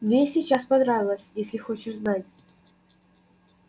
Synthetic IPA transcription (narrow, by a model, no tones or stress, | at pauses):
mnʲesʲit͡ɕaspɐnɾavʲɪlˠəsʲjesʲlʲɪxo̞t͡ɕɪʂznatʲ